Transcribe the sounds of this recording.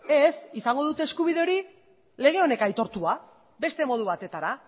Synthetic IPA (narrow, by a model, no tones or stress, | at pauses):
e̞sisaŋɡo̞ð̞ut̪e̞ːskuβ̞ið̞e̞o̞ɾi | le̞ɣ̞e̞o̞ne̞kajt̪o̞ɾt̪ua | be̞st̪e̞mo̞ð̞uβ̞at̪e̞t̪aɾa